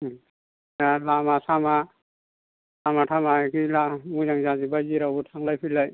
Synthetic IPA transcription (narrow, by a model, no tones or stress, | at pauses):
jalamasama | samaʈʰamakilamuzaŋzazibaziɾabutʰaŋlajpʰilaj